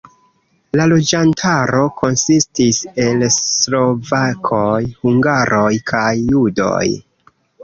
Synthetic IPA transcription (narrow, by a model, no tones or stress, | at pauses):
lalo̞d͡ʒantʰaɾo̞kʰo̞nsistise̞lslo̞vakʰojhuŋɡaɾʔo̞jkʰajːudo̞̰j